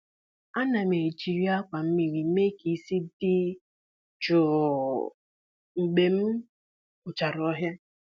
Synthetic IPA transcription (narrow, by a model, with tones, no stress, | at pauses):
a˦na˨me˨d͡ʒi˨ɾi˦a˦kʷa˨m̩˦mi˨ɾi˨˦me˦ki˨si˦dɪ˦ | t͡ʃʊ˨ | ŋ͡m̩˨ɡ͡be˨m̩˦ | ʊ˨t͡ʃa˨ɾɔ˨˦ɦja˦